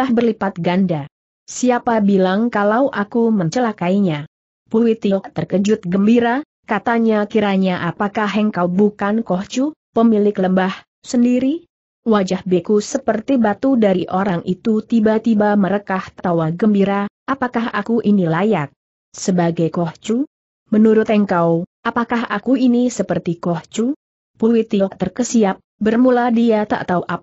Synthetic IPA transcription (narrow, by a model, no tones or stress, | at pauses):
ahbərlipat̪̚ɡanda | siapabilaŋkalawʔakuməɲt͡ʃəlakaiɲa | puit̪ilt̪ərkəd͡ʒʊt̪̚ɡəmbiɾa | kat̪aɲakiɾaɲaʔapakaɦaŋkawbukankɔht͡ʃupəmilɪkləmbah | səndiɾi | wad͡ʒahbekusəpərt̪ibat̪udaɾiʔoɾaŋʔit̪ut̪ibat̪ibaməɾəkaht̪t̪awaɡəmbiɾaʔapakaɦa̰kuʔinilajak̚ | səbaɡajkɔht͡ʃu | mənuɾʊt̪əŋkawʔapakaɦakuinisəpərt̪ikɔht͡ʃu | puit̪iʔt̪ərkəsiap̚bərmuladiat̪a̰ʔt̪auʔap̚